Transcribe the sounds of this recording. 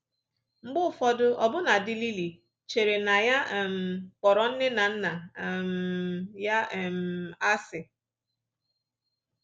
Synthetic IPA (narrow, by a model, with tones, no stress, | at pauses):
ŋ͡m̩˦ɡ͡bʊ˦˨fɔ˦dʊ˦ʔɔ˨bʊ˦na˨dɪ˦li˦li˨ | t͡ʃe˨ɾe˨na˨ja˦˨m̩˨k͡pɔ˨ɾɔ˨n̩˦ne˦na˨n̩˦na˨mja˦˨m̩a˦sɪ˨